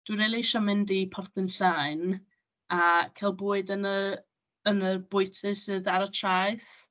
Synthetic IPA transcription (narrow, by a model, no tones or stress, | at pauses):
d̥wiɾiːlˠiʃɔmɛndipʰɔrθənɬaɨn | akʰalˠbuːɨdənə | ənəbʊɨtʰɨsɨðaɾɔtʰrajθ